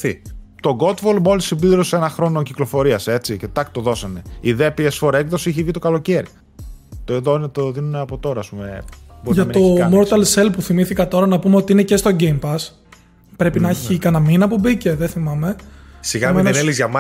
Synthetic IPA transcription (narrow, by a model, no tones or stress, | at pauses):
it̪o̞ɡo̞t̪volmo̞lisibiðɾosenɐxɾo̞nociklo̞fo̞ɾiɐse̞t͡sicet̪ɐkst̪o̞ðo̞sɐne̞iðepiesfoɾekðosiiçevit̪o̞kɐlo̞ceɾi | t̪oeðonet̪oðinuneɐpo̞t̪o̞ɾɐːspumeboɾʝɐmo̞mo̞ɾt̪ɐlse̞lpuθimiθikɐt̪o̞ɾɐnɐpumeo̞t̪iine̞cest̪o̞ɟe̞jmpɐs | pɾe̞pinɐeçikɐnɐminɐpobice̞ðeθimɐme̞siɣɐmenlizʝɐmɐ